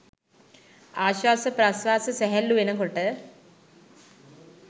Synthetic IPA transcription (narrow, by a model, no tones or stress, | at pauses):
aːɕwaːsɐpɾɐsʋaːsɐseɦɐlːuʋenɐŋkoʈːɨ